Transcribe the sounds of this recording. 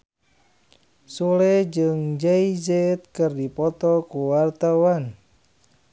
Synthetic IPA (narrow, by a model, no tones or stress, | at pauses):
sulɛd͡ʒɨŋd͡ʒaizɛt̪̚kɨrdipɔt̪ɔkuwart̪awan